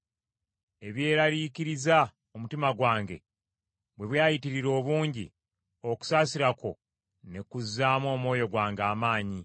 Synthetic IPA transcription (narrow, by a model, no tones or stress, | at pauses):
e̞βje̞ːɾaɾiciɾiza | o̞mutimaɡwaːŋɡe̞̰ | βwe̞βwjaːjitiɾiɾo̞ːβuːɲɟḭ | o̞ku̥saːsiɾako̞ | ne̞kuzːaːmwo̞ːmwo̞ːjo̞ɡwaːŋɡaːmaːɲi